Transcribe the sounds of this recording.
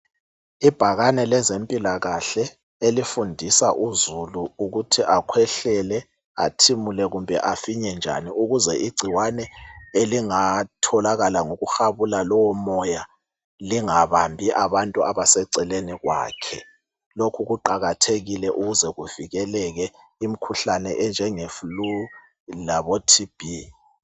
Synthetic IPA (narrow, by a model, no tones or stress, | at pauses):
ib̥ʱaɣanɛlɛzempʼilaɣaɬɛ | elifundʱisaʔuzuluuɣutʰiʔakʰwɛɬɛlɛ | a̰tʰimulɛɣumbʱɛʔafiɲɛnd͡ʒʱa̰niuɣuzɛʔiɡ͡ǀʱiwanɛeliŋatʰɔlaɣalaŋoɣuxaβulalɔwɔmɔja | liŋaβambʱiʔaβantʼuaβasɛǀɛleniɣwa̰ːkʰɛ̰ | lokʰuɣuǃaɣatʰeɣilɛʔuɣuzɛɣuv̥iɣɛlɛɣɛ | im̩kʰuɬanɛʔɛnd͡ʒʱɛŋeflu | laβotʰib̥ʱi